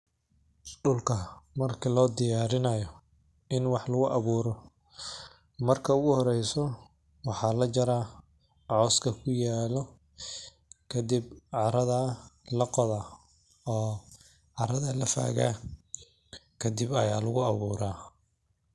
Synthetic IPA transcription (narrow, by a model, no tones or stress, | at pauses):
ɖʊlkʰɐmɐrkʰilɔːd̪ɪjaːɾɪnɐjɔ | ɪnwɑħlʊɣʊʔɑβuːɾɔ | mɐrkʰɐʊɣʊhɔɾɛjsɔ | wɑħɑːlɐt͡ʃɐɾaː | ʕɔːskʰɐkʰʊjaːlɔ | kʰɐd̪ib̚ʕɑɾɐðɐlɐqɔðaː | ɔː | ʕɑɾɐðɐlɐfa̰ːɣa̰ː | kʰɐd̪ibɐjaːlʊɣʊɑβuːɾaː